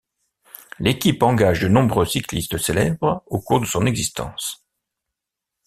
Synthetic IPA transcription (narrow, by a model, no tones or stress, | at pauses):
lekʲipɑ̃ɡaʒd̪ənɔ̃bʁøsiklist̪əselɛ̰bʁokuʁd̪əsɔ̃nɛɡzist̪ɑ̰̃ːs